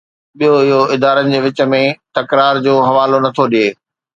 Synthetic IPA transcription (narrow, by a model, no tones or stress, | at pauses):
ɓijoɪɦoɪd̪aːɾənɪ̆d͡ʑeːʋɪt͡ɕə̆mẽt̪ɐkɾaːɾd͡ʑoːɦɐʋaːlonɐt̪ʰoɗieː